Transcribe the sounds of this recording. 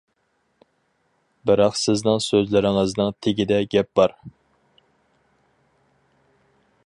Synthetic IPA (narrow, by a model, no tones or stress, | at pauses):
bɨɾɑqsɪznɪŋsøzlɪɾɪŋɨznɨŋt̪ʰɪɡʲid̪ɛɡʲɛp̚b̥ɑɾ